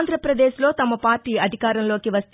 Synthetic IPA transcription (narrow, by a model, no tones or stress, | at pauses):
nd̪ɾɐpɾɐd̪eːʃlo̞ːt̪ɐmɐpaːɾʈiːɐd̪ʱikaːɾɐmlo̞ːkiʋɐst̪